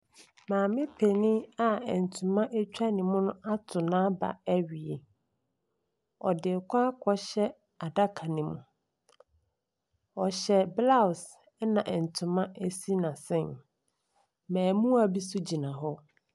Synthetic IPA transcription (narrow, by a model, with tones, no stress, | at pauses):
mãː˨mɪ̃˦pʰe˨nɪ̃˦a˦ɛ˨n˨tʰu˨mã˦ʔe˦t͡ɕᶣa˦nɪ̃˨mʊ̃˦nʊ̃˦ʔa˦tʰʊ˨nãː˦ba̰˨æ˦ɥi˨e˨ | ɔ̰˨dɪ˨kʷʰã˦kʰɔ˦ɕɛ˦ | a˨da˦kʰa˨nĩ˨mṵ̃˨ | ɔ˨ɕɛ˦bla˦˨s | ɛ˦nã˨ʔɛ˨n̩˨tʰʊ̃˨mã˦æ˦si˦nã˨sɪ̃˦n | mæ̃ː˨mũ˦a˨bi˦sʊ˦d͡ʑi˨nã˨ɦɔ˦